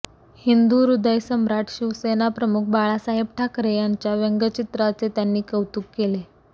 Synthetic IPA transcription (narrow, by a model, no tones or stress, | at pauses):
hind̪uɾud̪əjsəmɾaʈɕiʋsenapɾəmuk̚ʰbaɭasaɦebʈʰakɾejaɲt͡ɕjaʋeŋɡət͡ɕit̪ɾat͡set̪janːiːkəwt̪ukːele